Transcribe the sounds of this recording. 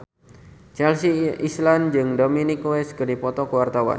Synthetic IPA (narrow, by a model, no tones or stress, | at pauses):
t͡ʃɛlsiʔisland͡ʒɨŋdominikwɛskɨrdipɔt̪ɔkəwart̪awa̰n